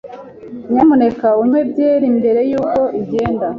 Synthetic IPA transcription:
ɲamune̞kauɲwebɟeːɾimbe̞ɾe̞juːko̞ʔiɟe̞ːnda

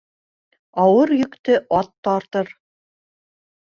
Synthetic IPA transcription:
ɑwɤɾjɵ̆kt̪ɘʔɑt̪ːɑɾt̪ɤɾ

